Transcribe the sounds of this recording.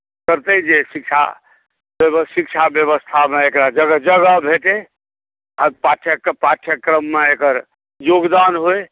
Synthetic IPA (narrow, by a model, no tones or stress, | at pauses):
kəɾt̪əd͡ʒesikt͡ʃʰa̰ | bsikt͡ʃʰabjəβəst̪ʰameekɾad͡ʒəɡəd͡ʒəɡəbʱeʈe | a̰paʈʰjəpaʈʰjəkːɾəmːeekəɾ | joɡd̪anɦoe